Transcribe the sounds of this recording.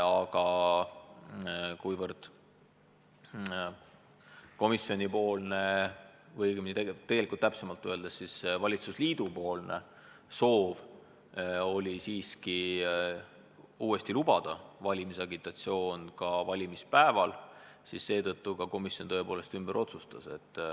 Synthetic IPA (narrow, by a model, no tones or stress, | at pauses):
ɑɡ̥ɑ | kujvɤrd̪̥ | ko̞misːio̞nʲipo̞ːlne̞vɤjɡminit̪eet̪e̞ɡ̥elikult̪ːæpsemɑlt̪ːˑøe̞ld̪essisvɑlʲit̪susliːd̪̥upo̞ːlne̞̰ | so̞ːv | o̞lʲisiːski | uːe̞st̪ilubɑd̪̥ɑvɑlʲimisɑɡit̪ːˑɑt̪sio̞ːnkɑvɑlʲimispæevɑl | sisse̞ːt̪ɤ̞t̪ːukɑko̞misjont̪ɤ̞epo̞ːle̞st̪ymb̥əɾʔo̞t̪sust̪ɑse̞t̪ˑː